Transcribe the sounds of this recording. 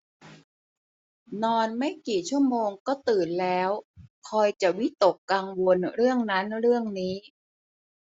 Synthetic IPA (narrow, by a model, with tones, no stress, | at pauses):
nɔː˧nma˥˩jkiː˨˩t͡ɕʰu˥˩əmoː˧ŋkɔː˥˩t̪ɯː˨˩nlɛː˦˥wkʰɔː˧jt͡ɕa˨˩wi˦˥t̪o˨˩kːa˧ŋwo˧nɾɯ˥˩əŋna˦˥nɾɯ˥˩əŋniː˦˥